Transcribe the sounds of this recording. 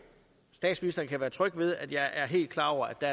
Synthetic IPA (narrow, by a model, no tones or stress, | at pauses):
sd̥ɛ̰ːd̥sminisd̥ɐn̩kʰæʋæːɐt͡sʰʁœɡ̥ʋe̝ð̞ˠæd̥jɑ̈ɪʔæɐɦe̝̰ːld̥̚kʰlɑ̈ːɒʊ̰ɐæd̥æ